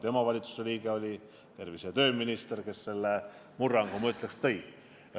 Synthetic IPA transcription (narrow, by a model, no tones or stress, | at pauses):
t̪emɑvɑlʲit̪su̥se̞liːɡeo̞lʲi | t̪e̞rviset̪ø̞ːminist̪e̞rkesːe̞lːe | murːɑŋɡomɑyt̪ˑlekst̪ej